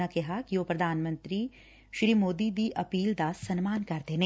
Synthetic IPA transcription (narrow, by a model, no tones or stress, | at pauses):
akɛɦakiʋoːpɾɐd̪ʱaːnmə̃nt̪ɾi | ʃɾiːmoːd̪id̪iʔɐpiːld̪aːssɐnmaːnkɐɾd̪eːne